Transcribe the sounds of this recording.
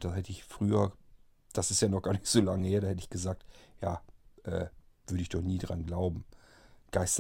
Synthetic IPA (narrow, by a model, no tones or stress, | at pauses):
d̥ashɛtəɪçfʁ̥yːɐ | d̥asɪstjaːnɔχɡ̥aːɐnɪçtz̥oːlaŋəheːɐdaːhɛtəɪçɡ̥əzaːk̚tjaːʔɛː | v̥ʏɐdəɪçd̥ɔχniːdʁa̰nɡlaʊbm̩ɡ̥aɪst